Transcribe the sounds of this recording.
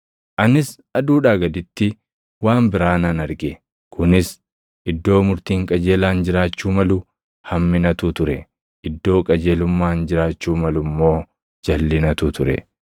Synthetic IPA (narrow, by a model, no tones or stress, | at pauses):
ʔɐnɪs | ɐd̪uːᶑaːɡɐd̪ɪt̪ːɪ | waːmbɪɾaːnɐnɐɾɡɛ | kʰʊnɪs | ʔɪd̪ːo̞ːmʊɾt̪iːŋkʼɐd͡ʒe̞ːlaːnd͡ʒɪɾaːt͡ʃːuːmɐlʊ | hɐmːɪnɐt̪uːt̪ʊɾɛ | ʔɪd̪ːo̞ːkʼɐd͡ʒe̞ːlʊmːaːnd͡ʒɪɾaːt͡ʃːuːmɐlʊmːo̞ː | d͡ʒɐlːɪnɐt̪uːt̪ʊɾɛ̰